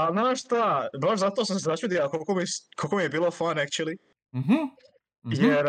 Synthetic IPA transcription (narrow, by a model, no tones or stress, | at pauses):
alnaːʃst̪abaʃzat̪oːs̬ams̬ezat͡ʃuːd̪iakolkomiskolkomijebiːlˠofanakt͡ʃulˠi | ɦ̩ | jeɾ